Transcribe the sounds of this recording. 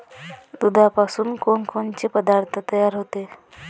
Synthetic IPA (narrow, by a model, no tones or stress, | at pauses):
d̪ud̪ʱapasuːnkonkont͡ɕepəd̪aɾt̪ʰət̪əjaɾɦot̪e